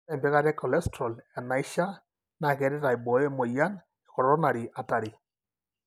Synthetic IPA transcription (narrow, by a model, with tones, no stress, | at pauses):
ɛ˦˨mbɛ˦ɣa˦ɾɛ˦kɔ˨lɛ˦stɾɔ˨la˨na˨i˦ʃa˦ | na˨kɛ˨˦ɾɪ˦ɾa˨i˨bɔ˨jɛ˦mo˨ja˦n | ɛ˨kɔ˨ɾɾɔ˦na˨ɾi˨ʔa˨ta˨ɾi˨